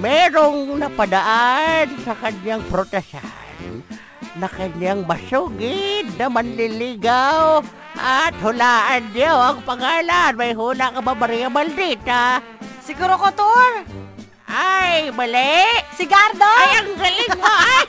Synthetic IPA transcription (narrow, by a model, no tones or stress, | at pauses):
mɛːɾoŋnɐpad̪aʔansɐkaɲjaŋpɾot̪ɛsa̰ | nː | ɐkaɲjaŋmɐsuɡɪd̪̚nɐmanlɪlɪɡaw | ʔat̪hʊlaːʔand̪ɪjawaŋpaŋaːlanmajɦuːlaʔkababaɾijamald̪it̪a | sɪɡuːɾokot̪oɾ | ʔajbalɛʔsɪɡaɾd̪oaŋɡalɪŋa